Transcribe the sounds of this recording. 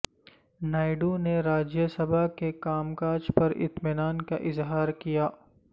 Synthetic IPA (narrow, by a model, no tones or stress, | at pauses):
naːɪɖuneɾaːd͡ʒjəsɐbʱakekaːmkaːd͡ʒpɐɾɪ̰t̪mɪnaːnkaʔɪzɦaːɾkijaː